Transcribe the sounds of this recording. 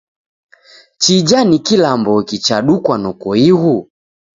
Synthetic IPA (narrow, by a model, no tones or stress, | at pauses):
t͡ʃid͡ʒanikilambɔkit͡ʃaɗukwanɔkɔiɣu